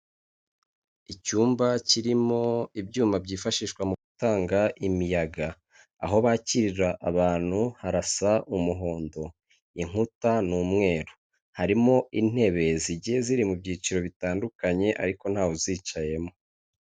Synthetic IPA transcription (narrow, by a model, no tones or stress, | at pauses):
icuːmbaciɾimo̞ibɟuːmabɟiːfaʃiːʃkwamuɡutaːŋɡaʔimijaɡa̰ː | ɦo̞βaːciɾiɾaʔaβaːn̥huhaɾasaʔumuɦo̞ːndo̞ | iŋ̥hutanuːmŋe̞ːɾo | haɾimo̞in̥he̞βe̞ziɟiheziɾimubɟiːt͡ʃiɾo̞βitaːndukaɲe̞ʔa̰ɾiko̞n̥aːwuziːt͡ʃaje̞mo̞